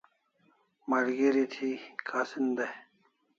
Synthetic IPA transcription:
mɐɾɡiɾit̪ʰikʰaːsind̪e

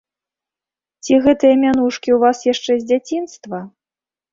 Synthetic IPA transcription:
t͡sʲiɣɛt̪ɨjɐmʲanuʂkʲiwvasjaʂt͡ʂɛzʲd͡zʲat͡sʲinst̪vɐ

